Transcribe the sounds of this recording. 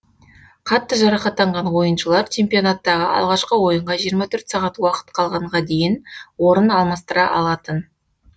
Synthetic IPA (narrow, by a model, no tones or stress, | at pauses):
qʰɑt̪ːəʒɑɾɑχɑt̪ːɑɴʁɑnwo̞jənʃəlˠɑɾt͡ʃʰe̞mpijo̞nat̪ːɑʁəʔɑ̰lˠʁɑʃqəwo̞jəɴʁɑʒijəɾmɑt̪ʰɵɾt̪sɑʁɑt̪wɑqə̥t̪qʰɑlˠʁɑɴʁɑd̪e̞jɪnwo̞ɾənɑlˠmɑst̪əɾɑʔɑlˠɑt̪ən